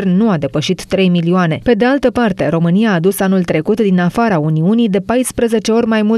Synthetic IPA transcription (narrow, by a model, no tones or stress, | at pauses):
rnuad̪e̞pəʃit̪ːɾe̞jmilioane̞pe̞d̪e̞alt̪əpart̪e̞ɾo̞mɨnijaːd̪usanult̪ɾe̞kut̪d̪inafaɾauniunijd̪e̞pajspɾəze̞t͡ʃe̞o̞ɾʲmajmu